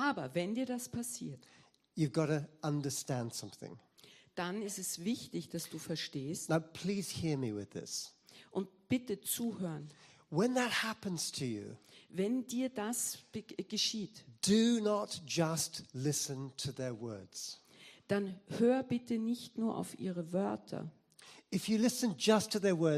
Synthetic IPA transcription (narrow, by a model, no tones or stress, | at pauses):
ʔaːbɐvɛndiːɐdaspʰasḭːɐt | jɨvɡɑɾəʌ̃ndə˞stæ̃nd̥sʌ̃mθɪ̰̃ŋ | d̥anɪstɛsvɪçtɪçd̥asd̥uːfɛɐʃteːstnaʊpʰl̥iz̥hiɹmiwɪ̰ðɪ̰sʔʊnt̚b̥ɪtət͡suːhøːən | wə̃nðət̚hæpə̃nz̥tʰɨjʉ̰vɛndiːɐdasɡ̥əʃiːtd̥ɨnətd̥ʒ̥ʌstlɪsɨ̃ntʰɨðə˞wɜ˞dz̥ | d̥anhøːbɪtənɪçtnuːɐʔa̰ʊfʔḭːʁəvœɐtʰɐ̰ | ɨfjɨlɪsɨ̃nd͡ʒʌstʰɨðə˞wɜ˞